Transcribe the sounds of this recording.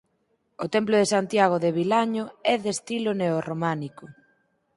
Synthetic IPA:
ot̪ɛmplʊðesant̪jaɣ̞oðeβilaɲoɛðest̪iloneoromanikʊ

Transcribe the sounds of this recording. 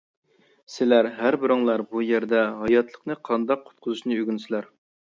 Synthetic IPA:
sɪlæɾɦæɾbɪɾɪŋlˠɑɾbujeɾd̪ɛɦɑjɑt̪lˠəqnɨqʰɑnd̪ɑq̚ːʰʊ̥t̪̚qʰʊzuʃnɨøɡʲynsɪlæɾ

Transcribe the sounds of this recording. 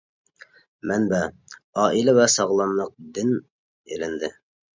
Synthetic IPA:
mænbæ | ɑːʔilævɛsɑʁlˠɑmlˠəq̚d̪ɪn | ḛlɪnd̪ɪ

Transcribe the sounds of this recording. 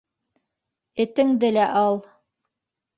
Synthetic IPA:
ɘ̆t̪ɘŋd̪ɘlæʔɑlˠ

